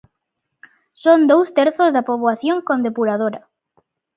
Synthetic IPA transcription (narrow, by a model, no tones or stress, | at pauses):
sond̪owst̪eɾθozðapoβwaθjoŋkond̪epuɾað̞oɾɐ